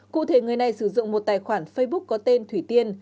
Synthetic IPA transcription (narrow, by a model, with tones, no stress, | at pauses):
kṵ˧˨t̪ʰe˧˩ŋɨ˨˩əjna˨˩jsɨ˧˩zʊ̰˧˨ŋŋ͡mmo˨˩t̚t̪aː˨˩jxwaː˧˩nfə˧jɓʊ˦˥k̚kɔ˨˦t̪e˧nt̪ʰwi˨˧˩t̪i˧ən